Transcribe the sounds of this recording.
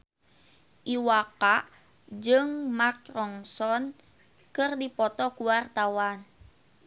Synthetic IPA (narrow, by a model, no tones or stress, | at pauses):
ʔiwakaʔ | d͡ʒɨŋmak̚rɔŋsɔn | kɨrdipɔt̪ɔkuwart̪awan